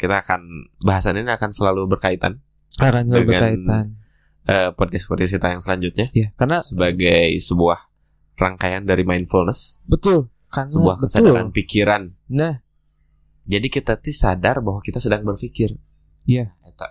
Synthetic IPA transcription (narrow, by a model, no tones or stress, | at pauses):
kit̪aːkanbaɦasaniniakansəlalubərkait̪a̰n | akansəldəbŋaanian | ʔəpɔd̚kaspɔd̚kaskit̪ajaŋsəlaɲd͡ʒut̪̚ɲajakarnasəbaɡajsəbuah | ra̰ŋkajandaɾimainfulnəsbət̪ʊl | kansəbuahkbəsadaɾanpikiɾannah | d͡ʒadikit̪at̪isadarbaɦwakit̪asədaŋbərfikɪr | jaat̪a